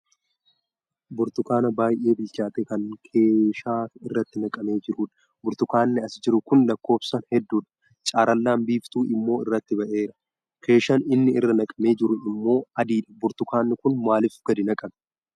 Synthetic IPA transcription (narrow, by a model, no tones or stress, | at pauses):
bʊɾt̪ʊkaːnɐbaːjʔe̞ːbɪlt͡ʃaːt̪ekɐŋkʰeːʃaːɪrːɐt̪ːɪnɐkʼɐme̞ːd͡ʒɪɾuːᶑɐ̥ | bʊɾt̪ʊkaːnːɪɐsd͡ʒɪɾʊkʊnlɐkːo̞ːbsɐnhɛd̪ːuːᶑɐ̥ | t͡ʃʼaːɾɐlːaːmbiːft̪uːʔɪmːo̞ːɪrːɐt̪ːɪbɐʔe̞ːɾɐ̥ | kʰe̞ːʃɐnɪnːɪɪrːɐnɐkʼɐme̞ːd͡ʒɪɾʊɪmːo̞ːɐd̪iːᶑɐ̥bʊɾt̪ʊkaːnːɪkʊnmaːlɪfɡ̥ɐd̪ɪnɐkʼɐn